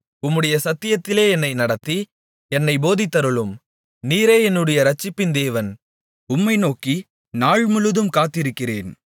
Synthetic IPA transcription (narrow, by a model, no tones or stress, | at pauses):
ʊmːɯɽɐjɐsɐt̪ːɪjɐt̪ːɪleːɛnːɐɪnɐɽɐt̪ːi | ɛnːɐɪboːðɪt̪ːɐɾɯɭɯm | niːɾeːɛnːɯɽɐjɐɾɐt͡ʃːɪpːɪnd̪eːʋɐn | ʊmːɐɪnoːki | naːɻmʊɻɯðɯmkaːt̪ːɪɾɯkːɪreːn